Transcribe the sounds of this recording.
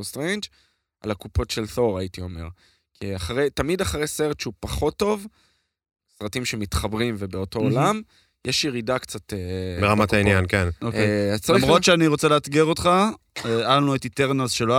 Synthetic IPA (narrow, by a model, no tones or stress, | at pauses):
ostʁend͡ʒ | ʔa̰lakupo̞tʃelθo̞ʁaitio̞me̞̰ʁ | kʰiaχaʁejtamid̪aχaʁejse̞ʁet̪ʃeupaχo̞tːo̞v | sʁatimʃe̞mitχabʁimvebeo̞to̞ːlam | jeʃjeʁidakt͡satebeʁamatainjankenokeamʁo̞tʃeaniʁot͡seleat̪ɡeʁot̪χa | ealnuetit̪eʁnazʃelo